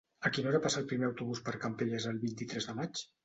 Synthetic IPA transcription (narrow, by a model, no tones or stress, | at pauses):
əkinoɾapasaəlˠpɾimeəwt̪uβuspəɾkampeʎəzəlˠβint̪it̪ɾɛzðəmat͡ʃ